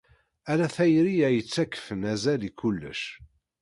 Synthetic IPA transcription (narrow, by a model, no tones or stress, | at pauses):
ælæθæjɾijæjət͡sːækːə̥fənæzælikulːə̰ʃ